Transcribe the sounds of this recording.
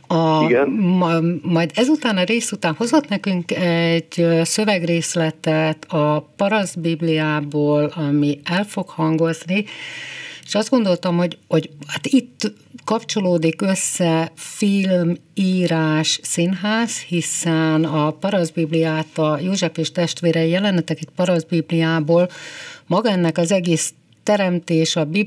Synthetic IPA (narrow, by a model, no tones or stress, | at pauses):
ɒɡ | mɒjd̪ɛzut̪aːnɒɾeːsut̪aːnho̞zo̞t̪nɛkyŋkɛɟøsø̞vɛɡreːslɛt̪ɛt̪ʰɒpɒɾɒzbiblijaːboːlɒmiɛlfo̞khɒŋɡo̞zni | eʃɒzd̪ɡo̞nd̪o̞lt̪ɒmho̞ɟho̞ɟhaːt̪it̪ː | kɒpt͡ʃo̞loːd̪ikø̞sːɛfilmiːɾaːʃsinɦaːzhisɛnɒpɒɾɒzbiblijaːt̪ɒjoːʒɛfeːʃt̪ɛʃt̪ʋeːɾɛijɛlɛnɛt̪ɛkɛt̪̚pɒɾɒzbiblijaːboːlmɒɡɒɛnːɛkɒzɛɡeːs | t̪ɛɾɛmt̪eːʃɒbi